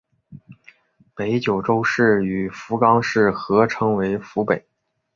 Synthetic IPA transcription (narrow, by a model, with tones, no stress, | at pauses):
pe˧˥ɪt͡ɕjo˨˩ʊʈ͡ʂo˥ʊʂɻ̩˥˩y˨˩fu˧˥kɑ˥ŋʂɻ̩˥˩xɤ˧˥ʈ͡ʂʰɤ˧˥ŋwe˧˥ɪfu˧˥pe˨˩˦ɪ